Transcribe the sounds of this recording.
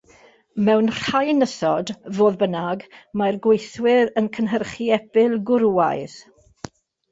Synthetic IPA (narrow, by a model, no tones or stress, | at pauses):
mɛwnrajnəsɔdvoːðbənaɡmarɡwejθwɪɾənkʰənɦərχiɛb̥ɪlˠɡʊɾuajð